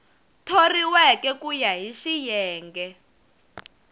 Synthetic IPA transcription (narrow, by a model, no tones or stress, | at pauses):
tʰoriwɛkɛkujaɦiʃijɛːŋɡɛ